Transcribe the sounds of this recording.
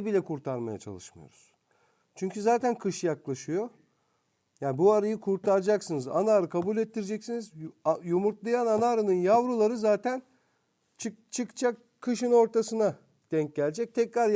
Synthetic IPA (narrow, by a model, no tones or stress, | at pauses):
bilʲɛkʰuɾt̪ʰaɾmaja̰t͡ʃʰa̰lˠɯʃmɯjo̰ɾuz̥ | t͡ʃʰyɲcʰyzaːt̪ʰænkʰɯʃjaklˠaʃɯjo̞ | jaːnbuaɾajɯkʰuɾt̪ʰaɾd͡ʒaksɯnɯza̰naːɾɯkʰabulʲɛt̪ːiɾd͡ʒɛcsinizjumuɾt̪lˠajananaːɾɯnɯnjavɾulˠaɾɯzaːt̪ʰæn | t͡ʃʰɯt͡ʃʰɯkt͡ʃʰakʰːɯʃɯno̞ɾt̪ʰasɯna | d̪̥ɛɲc̚ɟælʲd͡ʒɛc̚t̪ʰɛcɾaɾ